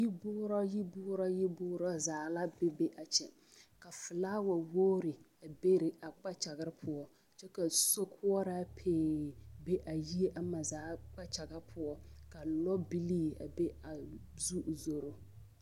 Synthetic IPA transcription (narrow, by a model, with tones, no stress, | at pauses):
ji˦bʊː˦ɾɔ˦ji˦bʊː˦ɾɔ˦ji˦bʊː˦ɾɔ˦zaː˨˦la˦bɛ˦be˦ʔa˨t͡ʃɛ˨ | ka˨fɨ˨laː˦wa˨woː˦ɾɪ˨ | a˨be˦ɾɪ˨a˨k͡pa˦t͡ʃa˨ɣɪ˦ɾɪ˦pʰʊ˦ɔ˦ | t͡ʃɛ˦ka˨so˦kʰʊ˦ɔ˦ɾa˦pʰeː˨be˦ʔa˨ji˦e˦ʔa˦ma˨zaː˨˦k͡pa˦t͡ʃa˨ɡa˦ɾpʰʊ˦ɔ˦ka˨lɔ˦bi˦liː˦a̰˨be˦a˨ | zu˦˨zo˨ɾo˦